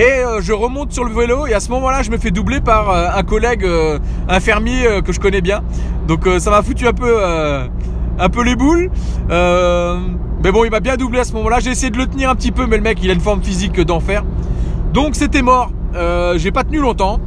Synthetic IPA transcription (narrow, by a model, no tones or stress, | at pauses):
eøʒəʁəmɔ̃t̪syʁləveloeasəmɔmɑ̃laʒəməfɛd̪ublepaʁøɛ̃kɔlɛɡø | ɛ̃fɛʁmjeøkəʒəkɔnɛbjɛ̃d̪ɔ̃køsamafut̪yɛ̃pøø | ɛ̃pølebulø | mɛbɔ̃ilmabjɛ̃d̪ubleasəmɔmɑ̃laʒeːsejed̪ələt̪əniʁɛ̃pət̪ipømɛləmɛkilaynfɔʁmfizikːəd̪ɑ̃fɛːʁd̪ɔ̃kset̪ɛmɔʁøʒepat̪ənylɔ̃t̪ɑ̃